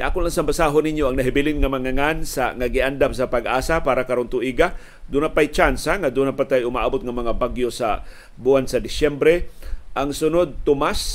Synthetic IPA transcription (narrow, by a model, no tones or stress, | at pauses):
ʔa̰ːkʊnlaŋsambasaːɦonɪɲjoaŋnaɦɪbɪlɪnŋamaŋaŋansa̰ŋaɡɪʔand̪amsapaɡʔaːsapaːɾakaɾont̪ʊʔiɡa | d̪unapajt͡ʃansaŋad̪unapat̪ajʊmaʔabʊt̪̚ŋamɐŋabaɡjosa̰ | buansad̪ɪsɛmbɾɛʔaŋsʊnod̪̚t̪ʊmas